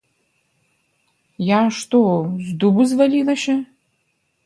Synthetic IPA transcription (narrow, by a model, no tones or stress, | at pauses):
jaʂt̪ozd̪ubuzvɐlilɐʃɐ